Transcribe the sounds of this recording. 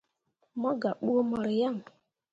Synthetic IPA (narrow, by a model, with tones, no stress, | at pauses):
mɔ˦ɡa˨k͡pu˦o˦mɔ˦ɾi˨ja˦˨m˨